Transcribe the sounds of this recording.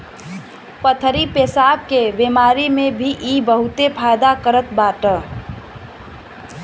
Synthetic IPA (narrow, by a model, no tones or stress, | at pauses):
pət̪ʰɾipesab̚kebemaɾimebʱiʔibəɦut̪epʰajd̪akəɾət̪baʈə